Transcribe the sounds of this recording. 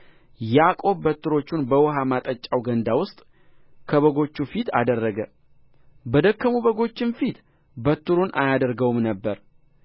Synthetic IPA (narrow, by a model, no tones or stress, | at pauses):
jakʼo̞βːət̪ʰːuɾo̞t͡ʃːunbəwɔɦamat̪ʼət͡ʃʼːawɡənd̪awʊst̪ʼ | kʰəβəɡo̞t͡ʃːufit̪ʰa̰d̪ərːəɡə | bəd̪əkʰːəmuβəɡo̞t͡ʃːɪnfit̪ | bət̪ːuɾunʔa̰jad̪əɾɡəwmnəbːəɾ